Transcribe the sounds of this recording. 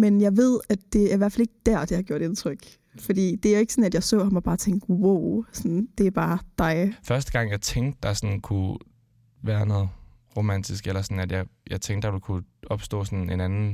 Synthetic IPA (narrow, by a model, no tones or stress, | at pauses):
menjɑ̈ɪʋe̝ð̰ˠæd̥ːe̝æɐiʋæɐfæle̝ɡ̥əd̥æɐ̰d̥e̝hɑ̈ɡ̥jo̝ɐ̰ɾ̥e̝nt͡sʰʁœɡ̥ | fɒ̽d̥ḭːd̥e̝æjoe̝ɡ̥sɔ̽næd̥jɑ̈ɪsɔ̰̽ːhɑ̈mɒb̥ɑ̈ːt͡sʰeŋd̥woʊ̰sɒɔnd̥e̝æɐb̥ɑ̈ːd̥ɑ̈ɪfɶɐsd̥əɡ̥ɑ̈ŋ̰jɑ̈ɪt͡sʰeŋd̥d̥ɑ̈sɒnkʰu | ʋæːɐnɔ̽ːð̩ˠʁo̝mæn̰d̥ʰisɡ̥elɐsɒ̽næd̥jɑ̈ɪjɑ̈ɪt͡sʰeŋd̥ːɑ̈ʋe̝lkʰuɒ̽b̥sd̥ɔ̰̽ːsɔne̝nænn̩